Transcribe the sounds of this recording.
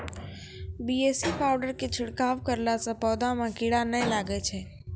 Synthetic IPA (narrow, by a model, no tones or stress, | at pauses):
bieːsipaʊɖəɾket͡ʃʰɪɽkaːʋkəɾlasə̃pɔːd̪ãmãkɪɽanəj̃laːɡet͡ʃʰɛː